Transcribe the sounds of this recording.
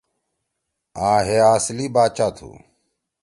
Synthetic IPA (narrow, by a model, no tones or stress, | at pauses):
ãːɦeːaːsliːbaːt͡ʃaːt̪ʰṵː